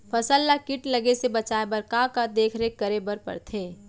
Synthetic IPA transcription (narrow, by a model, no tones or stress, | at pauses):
pʰəsəlːakɪʈləɡesebət͡ʃaebəɾkakad̪eːkʰɾekəɾebəɾpə̰ɾt̪ʰeː